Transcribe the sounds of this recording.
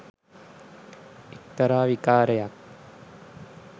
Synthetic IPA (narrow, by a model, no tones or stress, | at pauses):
ik̚t̪ɐɾaːʋikaːɾɐjak̚